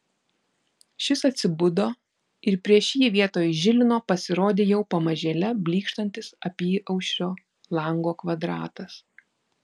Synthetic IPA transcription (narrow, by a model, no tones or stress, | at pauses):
ʃʲɪsɐt̪ʲsʲɪbʊd̪oː | ɪɾpʲɾʲiɛʃʲiːɛʋʲiɛt̪oːjʒʲɪlʲɪnoːpɐsʲɪɾoːd̪ʲeːjɛʊpɐmɐʒʲeːlʲɛbʲlʲiːkʃt̪ɐnʲt̪ʲɪsɐpʲiːʔɐʊʃʲɾʲoː | lˠɐŋɡoːkʋɐd̪ɾɑ̰ːt̪ɐs